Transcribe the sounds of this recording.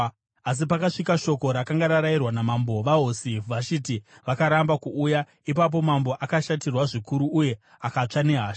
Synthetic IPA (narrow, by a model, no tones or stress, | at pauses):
as̬ipakaʂikaʃo̞ko̞ɾakaŋɡaɾaɾairwanamambo̞ʋaɦosiʋat͡ʃitiʋakaɾambakuːja | ip̬ap̬o̞mambo̞ʔakaʃatirwaʐikuɾuːje̞ | akat͡ʂane̞ɦaːʃ